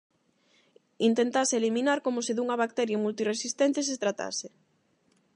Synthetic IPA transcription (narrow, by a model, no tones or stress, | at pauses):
int̪ent̪aseelimĩnaɾkomoseðuŋɐβak̚t̪ɛɾjamult̪iresist̪ɛnt̪es̬et̪ɾat̪a̰se